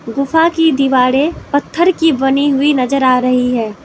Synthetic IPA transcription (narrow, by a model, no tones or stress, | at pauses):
ɡʊfakid̪ɪʋaːɽepɐt̪ʰːəɾkibɐniɦʊinɐzəɾaːɾɐɦiɦɛː